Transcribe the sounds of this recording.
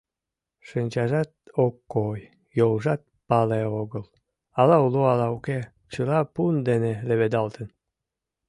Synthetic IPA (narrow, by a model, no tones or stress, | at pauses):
ʃənʲt͡ɕɑʒɑt̪̚okːojː | olʒɑt̪̚pɑleoɣəl | ɑlɑuloɑlɑuke | t͡ɕəlɑpund̪eneleβed̪ɑlt̪ən